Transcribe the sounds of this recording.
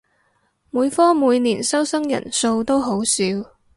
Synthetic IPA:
muː˨˧jfɔː˥muː˨˧jniː˨˩nsɐ˥wsɐ˥ŋjɐ̰˨˩nso˧wt̪o˥wɦo˨˥wsiː˧w

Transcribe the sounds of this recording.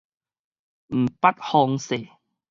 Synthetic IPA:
m̩˨˩pa˦t̪̚hɔ˧ŋse˨˩

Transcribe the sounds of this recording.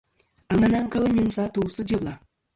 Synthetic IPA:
a˨ŋa˨˦na˦ŋ˦ka˦lɨ˦ɲu˦n˦sa˦to˨sɨ˦d͡ʒe˦bla˨

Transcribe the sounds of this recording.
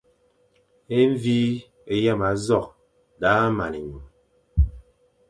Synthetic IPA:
e˦ɱ˦viː˦ | e˨ja˦˨ma˨˦zɔ˦˨k̚ | da˦ma˨ni˨ɲu˨m

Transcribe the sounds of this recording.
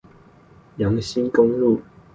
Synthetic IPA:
jɑ˨˦ŋɕi˦nkʊ˥˦ŋlu˥˨

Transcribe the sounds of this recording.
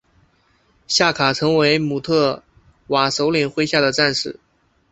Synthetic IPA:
ɕja˥˩kʰa˨˩ʈ͡ʂʰɤ˧˥ŋwe˧˥ɪmu˨˩t̪ʰɤ˥˩ | wa˨˩ʂo˧˥ʊli˨˩ŋxwe˥ɪɕja˥˩d̪ə˩ʈ͡ʂa˥˧nʂɻ̩˥˩

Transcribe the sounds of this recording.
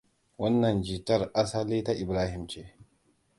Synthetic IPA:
wɐ˦nːɐ˨nd͡ʒiː˨tɐ˦˨rʔa˦sa˦liː˦ta˦ʔɪ˨bɾaː˦hɪ˨mt͡ʃeː˦

